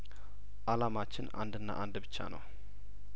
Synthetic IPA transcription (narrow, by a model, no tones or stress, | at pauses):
ʔalamat͡ʃːɪna̰nd̪ɨnːa̰ʔand̪bɨt͡ʃːa̰nə̰w